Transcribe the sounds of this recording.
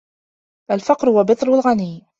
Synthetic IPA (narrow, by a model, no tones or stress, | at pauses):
falfɑqɾhʊwabɨt̪ˤɾalɣaniː